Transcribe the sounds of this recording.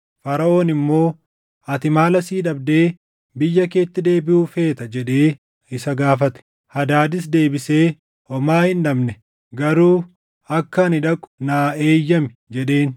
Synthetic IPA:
fɐɾɐʔo̞ːnɪmːo̞ː | ɐt̪ɪmaːlɐsiːᶑɐbd̪eː | bɪjːɐke̞ːt̪ːɪd̪e̞ːbɪʔuːfe̞ːt̪ɐd͡ʒɛᶑe̞ː | ɪsɐɡaːfɐt̪ɛ̥ | hɐd̪aːd̪ɪs̬d̪e̞ːbɪse̞ː | hɔmaːhɪnᶑɐbnɛ | ɡɐɾuː | ɐkːɐːnɪᶑɐkʼʊ̥naːe̞ːjːɐmɛd͡ʒɛᶑe̞ːn

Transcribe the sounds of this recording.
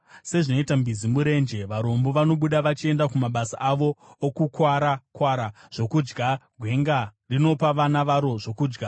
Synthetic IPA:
se̞ʐino̞itambizimuɾe̞nd͡ʒe̞ʋaɾo̞mbo̞ʋano̞ɓuɗaʋat͡ʃie̞ndakumaɓasa̰ʔaʋo̞ːkukwaɾakwaɾaʐ̥o̞kud͡ʒɡaɡʱwe̞ŋɡarino̞paʋanaʋaɾo̞ʐo̞kuːd͡ʒɡa

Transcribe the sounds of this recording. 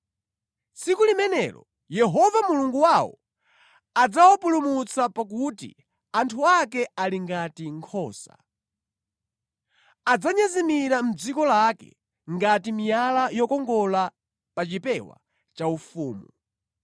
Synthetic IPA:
sikulimɛnɛ̰lɔ̰ | jɛɦɔvamuluŋɡuwawɔ̰ | ad͡zawɔpulumut͡sapak̬utḭ | antʰuakɛaliŋɡatiŋkʰɔːsa̰ | ad͡zaɲazimiɾam̩d͡zikɔlakɛ̰ | ŋɡatimijalajɔkɔŋɡɔla | pat͡ʃipɛwa̰ | t͡ʃaufuːmu

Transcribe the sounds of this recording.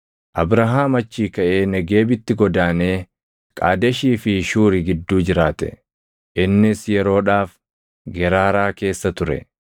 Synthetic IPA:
ʔɐbɾɐɦaːmɐt͡ʃːiːkɐʔe̞ːnɛɡe̞ːbɪt̪ːɪɡɔd̪aːneː | kʼaːd̪ɐʃiːfɪʃuːɾɪɡɪd̪ːuːd͡ʒɪɾaːt̪ɛ̰ | ʔɪnːɪsjɛɾo̞ːᶑaːf | ɡɛɾaːɾaːke̞ːsːɐt̪ʊɾɛ̰

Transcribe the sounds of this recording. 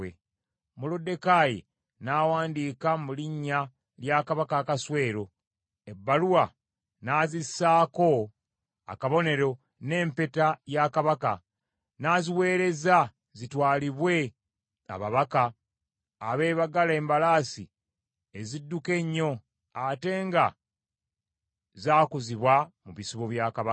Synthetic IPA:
e | mulodːe̞kajḭ | nawaːndiːkamuliɲːa | ljaːkaβakaːkaswe̞ːɾo̞ | ebːaluwa | naːzisaːko̞ | a̰kaβo̞ne̞ɾo̞ | ne̞ːmpe̞tajaːkaβaka̰ | naːziwe̞ːɾe̞za | zitwaːliβwe̞ | a̰βaβakaː | βe̞ːβaɡalaeːmbalaːsi | ezidːuke̞ɲːo̞ | ate̞ːŋɡa | zaːkuziβwamuβisiβoβjaːkaβa

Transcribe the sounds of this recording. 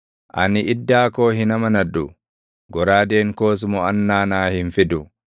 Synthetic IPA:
ʔɐnɪʔɪd̪ːaːkoːɦɪnɐmɐnɐᶑʊ | ɡɔɾaːd̪eːŋkoːs̬mɔɐnːaːnaːhɪnfɪd̪ʊ

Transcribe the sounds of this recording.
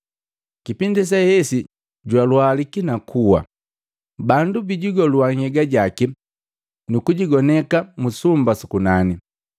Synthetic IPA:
kipindis̬ahɛsi | ɟwalwaːlikinakʰuwa̰ | bandubiɟiɡɔluwaŋ̩hɛɡaɟaki | nukuɟiɡɔnɛkamusumbasukunani

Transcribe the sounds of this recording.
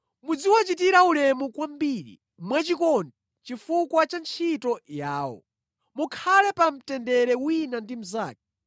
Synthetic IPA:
mud͡ziwat͡ʃitiɾaulɛmukwambiːɾḭ | mwat͡ʃikɔndɛ | t͡ʃifukwat͡ʃant͡ʃʰitɔjaːwɔ̰ | mukʰalɛpam̩tɛndɛɾɛwinandim̩zaːk̚ḁ

